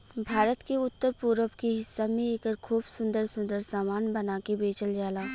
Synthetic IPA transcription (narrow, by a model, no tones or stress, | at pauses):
bʱaːɾət̪keʊt̪ːəɾpuːɾəpkeɦɪsːamẽeːkəɾkʰuːbsʊ̃nd̪əɾsʊ̃nd̪əɾsaːmaːnbɐnaːkebeːt͡ʃəld͡ʒaːlaː